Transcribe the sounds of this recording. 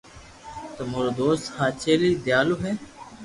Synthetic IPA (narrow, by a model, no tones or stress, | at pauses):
t̪əmoːɾoːd̪oːst̪haːt͡ʃʰeːliːd̪jaːloːɦeː